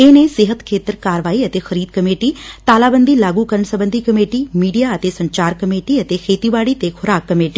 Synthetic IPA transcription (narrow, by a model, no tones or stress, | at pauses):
ẽːnẽsɪɦət̪kʰeːt̪əɾkaːɾəʋaːiɐt̪exɐɾiːd̪̚kɐmeːʈit̪aːlaːbə̃nd̪ʱilaːɡukɐɾəɳ̃sɐbə̃nd̪ʱikɐmeːʈimiːɖijaɐt̪esɐ̃ɲt͡ɕaːɾkɐmeːʈiɐt̪exʰeːt̪ibaːɽit̪exʰʊɾaːkːɐmeːʈi